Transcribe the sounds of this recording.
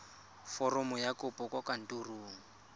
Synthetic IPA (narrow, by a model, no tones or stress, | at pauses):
fɔrɔmʊjakʊpɔkʼɔkan̩tʼuruːŋ̩